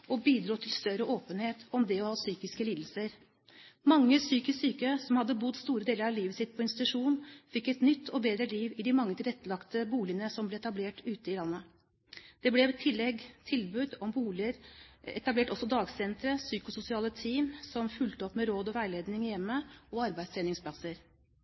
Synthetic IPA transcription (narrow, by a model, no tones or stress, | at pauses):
ʔɔbiːd̪ɾuːt̪ʰɪlst̪œɾəʔoːpənheːt̪ɔmd̪ɛɔhɑːsyːkɪskəliːd̪l̩səɾ | mɑŋːəsyːkɪssyːkəsɔmhɑd̪ːəbʊd̪st̪uːɾəd̪eːləɾɑliːʋəsɪt̪̚pʰɔɪnst̪ɪt̪ʉʂuːnnfɪkːɛt̪nʏt̪ʰːɔbeːd̪ɾəliːʋɪd̪ɪmɑŋːət̪ʰɪlɛt̪ːəlɑkt̪əbuːlɪənəsɔmblɛɛt̪ɑbleːʈʉːt̪əɪlɑnːə | d̪̥ɛblɛʋt̪ʰːɪlːɛɡt̪ʰɪlbʉd̪ɔmbuːləɾɛt̪ɑbleːʈɔsːɔd̪ɑːɡsɛnt̪ɾəsyːkʊsʊsɪɑːlət̪ʰiːmsɔmfʉlt̪əɔpːmɛɾoːd̪ɔʋæɪleːd̪nɪŋjɛmːəɔɑɾbæɪsʰeːnɪŋspʰlɑsəɾ